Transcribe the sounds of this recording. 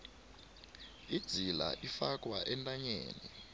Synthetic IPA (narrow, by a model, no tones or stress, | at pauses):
id̥z̥ʱila̰ʔifak̬ʼwaʔɛntʼaɲeːni